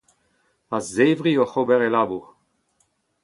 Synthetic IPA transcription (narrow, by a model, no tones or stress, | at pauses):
azeːvʁioχobɛʁelabuʁ